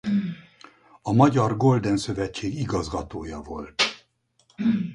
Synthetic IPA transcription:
ɒmɒɟɒrɡo̞ld̪ɛnsøvɛt͡ʃːeːɡiɡɒzɡɒt̪oːjɒvo̞lt̪

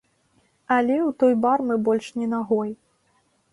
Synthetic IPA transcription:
ɐlʲɛwt̪ɔjbarmɨbɔlʲʂnʲɛnaɣɔj

